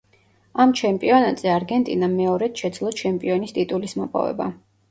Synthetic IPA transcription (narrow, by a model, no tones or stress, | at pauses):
amt͡ʃʰɛmpʼiɔnat̪ʼzɛaɾɡɛnt̪ʼḭnamɛɔɾɛt̪ʃɛd̪zlˠɔt͡ʃʰɛmpʼiɔnist̪ʼit̪ʼulismɔpʼɔ̰vɛ̰ba̰